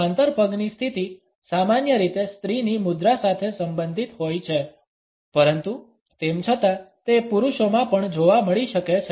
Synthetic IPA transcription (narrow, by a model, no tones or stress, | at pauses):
ant̪əɾpəɡnist̪ʰit̪i | samanjəɾit̪est̪ɾinimud̪ɾasat̪ʰesəmbənd̪ʱit̪ɦojt͡ʃʰe | pəɾənt̪u | t̪emt͡ʃʰət̪at̪epuɾuʃomãpəɳd͡ʒoʋaməɭiʃəket͡ʃʰ